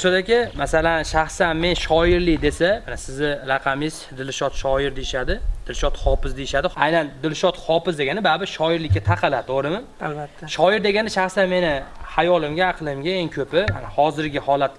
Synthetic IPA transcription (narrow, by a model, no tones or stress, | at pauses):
sod̪akʲɪmasalanʃaχsanme̞nʃɒjɪɾlɪd̪e̞samanasɪzɪɾɑqʰɑmɪzd̪ɪlʃɒt̪ʃɒjɪɾd̪ejɪʃad̪ɪd̪ɪlʃɒt̪hɒpɪzd̪ejɪʃad̪ɪajnand̪ɪlʃɒt̪hɒpɪzd̪e̞ɡʲanɪbabɪʃɒjɪɾlɪkʲːat̪ʰaqʰɨlad̪ɪoɾɪmɪ | albat̪ːaʃɒjɪɾd̪e̞ɡʲanɪʃaχsanme̞nɪhajɒlɪmɡʲaːqlˠɪmɡʲaeŋkʰɵpɪma̰nhɒzɪɾɡʲɪhɒlat̪